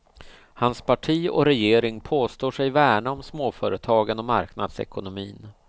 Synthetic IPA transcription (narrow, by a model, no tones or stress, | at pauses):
hanspʰaʈʰiːɔ̰ɾɛjeːɾɪŋpʰoːst̪oːʂɛjvæːɳaɔmsmoːfœːɾət̪ʰɑːɡənɔma̰ɾkna̰d̪sɛ̰kʊnʊmḭːn